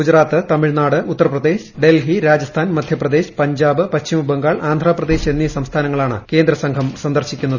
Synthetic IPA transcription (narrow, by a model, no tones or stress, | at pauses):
ɡud͡ʑɾaːt̪ːɨt̪ɐmiɻnaːɽɨʔut̪ːɐrɐprɐd̪e̞ːɕɖe̞lɦiɾaːd͡ʑɐst̪ʰaːnmɐd̪ʱjɐprɐd̪e̞ːɕpɐɲd͡ʑaːbɨpɐt͡ɕɕimubɐŋɡaːɭʔaːnd̪ʱɾaːprɐd̪e̞ːɕenːisɐmst̪ʰaːnɐŋːɐɭaːɳɨ̰ke̞ːnd̪ɾɐsɐŋɡʱɐmsɐnd̪ɐrɕikʲːunːɐðɨ